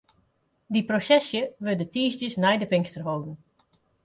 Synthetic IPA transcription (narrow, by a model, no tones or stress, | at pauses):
diprosɛsjəʋødətiːsdjəsnɛjdəpɪŋstərɦoːdn̩